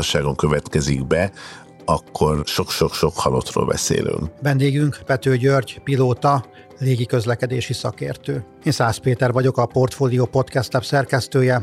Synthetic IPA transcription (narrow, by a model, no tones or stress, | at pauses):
ʃaːɡo̞ŋkøvɛt̪kɛziɡbɛ | ɒkʰːo̞rʃo̞kʃokʃo̞khɒlot̪ro̰ːlbɛ̰sḛːly̰ŋkvɛnd̪eːɡyŋkpɛt̪øːɟørɟpiloːt̪ɒ | leːɡikø̞zlɛkɛd̪eːʃisɒkḛːrt̪øː | eːnsaːspeːt̪ɛrvɒɟo̞kɒpo̞rt̪foːlijoːpo̞t̪kɛst̪lɛpsɛrkɛst̪øːjɛ